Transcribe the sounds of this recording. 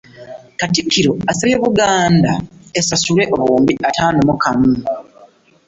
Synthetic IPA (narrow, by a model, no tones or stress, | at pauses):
katikʰːiɾo̞asajeβuɡaːndaesasule̞ʔoβuːmbiʔataːnomukamu